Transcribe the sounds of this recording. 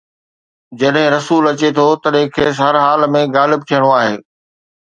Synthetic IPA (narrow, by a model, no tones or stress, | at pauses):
d͡ʑɐɗɦɪ̃ɾɐsuːlɐt͡ɕet̪ʰot̪ɐɗɦɪ̃kʰeːsɦɐɾɦaːlmẽɡaːlɪb̚t̪ʰijəɽ̃oaːɦeː